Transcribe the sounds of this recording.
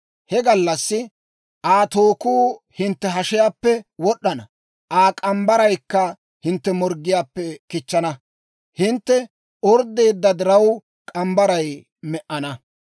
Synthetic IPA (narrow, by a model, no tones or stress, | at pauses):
hɛɡɐlːɐsːɪ | ʔaːt̪o̞ːkuː | hɪnt̪ːɛɦɐʃɪjaːpːɛwɔɗːɐnɐ | ʔaːkʼɐmbɐɾɐjkːɐ | hɪnt̪ːɛmɔɾɡːɪjaːpːɛkɪt͡ʃːɐnɐ | hɪnt̪ːɛ | ɔɾd̪e̞ːd̪ːɐd̪ɪɾɐw | kʼɐmbɐɾɐj | mɛʔɐnɐ